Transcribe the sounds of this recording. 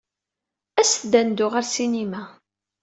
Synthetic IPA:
æsθd̪ænd̪ʊʁaɾsinimæ

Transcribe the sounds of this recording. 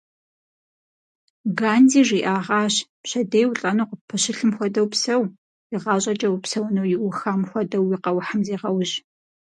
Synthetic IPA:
ɡaːndiːʐiːʔaːʁɑːɕ | ɕɐdejwʊɬʼɐnoːqəpʰːɐɕɪɬɨmxʷɔdɐwpsɐw | jɪʁɑːɕʼɐt͡ʃʼɐwpsɐwnowjɪʔʷʊxamxʷɔdɐwjɪqɐwħamzeːʁɐwʑ

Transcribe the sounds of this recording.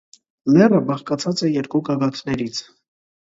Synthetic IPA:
lɛrəbɑχkɑt͡sʰɑt͡sɛjɛɾkuɡɑɡɑt̪ʰnɛɾit͡sʰ

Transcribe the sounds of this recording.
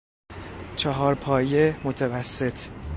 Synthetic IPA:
t͡ʃʰɒɦɒːɾpʰɒːjemot̪ʰevæsːe̞t̪ʰ

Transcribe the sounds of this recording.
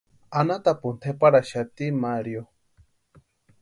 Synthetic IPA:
anat̪apunt̪ʰepaɾaʃat̪imaɾjo

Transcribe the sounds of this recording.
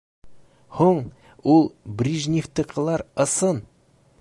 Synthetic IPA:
huɴ | ulˠbrʲiʒnʲift̪ə̆qɤ̆lˠɑɾɤ̆sɤn

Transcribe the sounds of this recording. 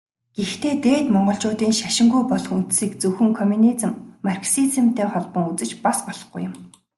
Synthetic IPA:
ɡ̥ext̪ʰeːt̪eːt̪mɔɴɢɞ̆ɬt͡ɕʊːt̪iːŋʃaʃɪ̆ŋɡujpɔɮɞ̆χun̥t̪siːkt͡sɵxɘ̆ŋkʰɔmʲunit͡sɘ̆mːarksit͡sɘ̆m̥t̪ʰeːχɔɮpɞ̆ŋut͡sɘ̆t͡ɕpaspɔɮ̥ɞ̥̆χɡṵjʊ̆m

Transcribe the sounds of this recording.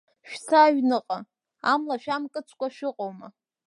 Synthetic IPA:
ʃᶣt͡sʰaɥnɨqʼa | amlaʃᶣamkʼɨt͡sʷʰʼkʷʼaʃɪqʼowma

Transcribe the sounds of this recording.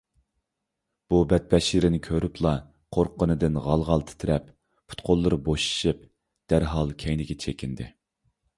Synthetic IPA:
b̥ubɛt̪̚pɛʃlɪɾɪnɪkʲʰøɾyplˠɑ | qʰoɾqʰːənɨd̪ɪnʁɑlˠʁɑlˠt̪ʰɪ̥t̪ʰɪɾɛp | pʰu̥t̪qʰolˠːɨɾɨboʃi̥ʃip̚ | d̪̥æɾɦɑlˠkʲʰɛjnɪɡʲɛt͡ʃʰekʲʰind̪ɪ

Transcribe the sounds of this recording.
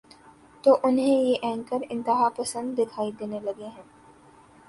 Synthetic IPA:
t̪oːʔʊnɦẽjeʔɛ̃ːŋkəɾɪ̃nt̪ɪɦapɐsə̃nd̪ːɪkʰaːid̪eːnelɐɡeɦɛ̃ː

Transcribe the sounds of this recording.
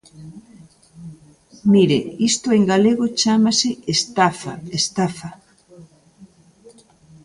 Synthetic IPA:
miɾeist̪ʊeŋɡaleɣot͡ʃamasɪest̪afa̰est̪afa

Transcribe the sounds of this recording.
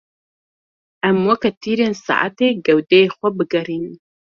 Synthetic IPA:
ɐmwɐkɐt̪ʰiːɾeːnsa̰ːʔa̰t̪eɡɐwd̪ɛjexʷɐbɨɡɐɾiːn

